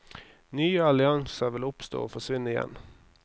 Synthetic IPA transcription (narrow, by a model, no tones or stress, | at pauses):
nyːəɑlɪɑŋsəʋɪlʊpst̪o̰ːoːfɔʂʋɪnːəɪjɛ̰n